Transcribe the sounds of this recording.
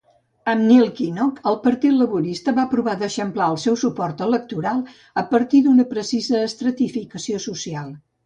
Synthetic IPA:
əmnilˠkinɔkəlˠpəɾt̪it̪ləβuɾist̪əβapɾuβaðəʃəmplaəlˠsɛwsupɔrt̪ələk̚t̪uɾalˠ | əpəɾt̪iðunəpɾəsizəːst̪ɾət̪ifikəsiosusialˠ

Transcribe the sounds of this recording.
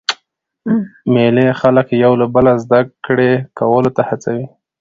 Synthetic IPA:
melexaləkjawlabəlazd̪akɽekawəlot̪ahat͡sawi

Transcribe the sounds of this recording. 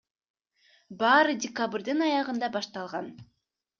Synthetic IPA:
bɑːɾɯdʲɪkabrd̪ɯnɑjɑʁɯnd̪ɑbɑʃt̪ɑlˠʁɑn

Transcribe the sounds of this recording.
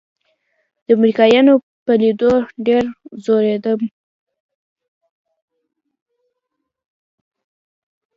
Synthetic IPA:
d̪̥əamɾikɑjɑno | pəlid̪oɖeɾzoɾed̪əm

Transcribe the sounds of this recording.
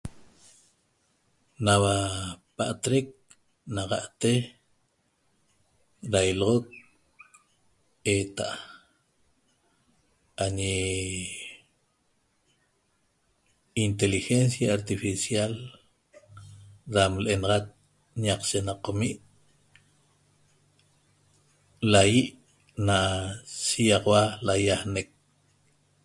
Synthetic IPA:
nawapa̰ʔt̪ɾek̚ | naqaʔt̪e | ɾajlʁok̚ | et̪a̰ʔ | aɲe | int̪elixensjaːɾt̪ifisjal | ɾamlʔenʁat̪̚ | naq͡χt͡ʃenaqomiʔ | lajiʔ | naʃijaqwalajahnek̚

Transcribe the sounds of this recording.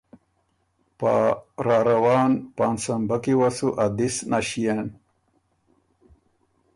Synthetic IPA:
pa̰ɾaːɾawɑːnpansambakiwasuʔad̪isnaɕijen

